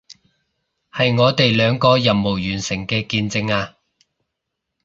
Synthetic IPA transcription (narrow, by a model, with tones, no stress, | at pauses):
hɐ˨jŋɔː˨˧t̪e˨jlœː˨˧ŋkɔː˧jɐ˨mmo˨˩wjyː˨˩nsɪ˨˩ŋkɛː˧kiː˧nt͡sɪ˧ŋaː˧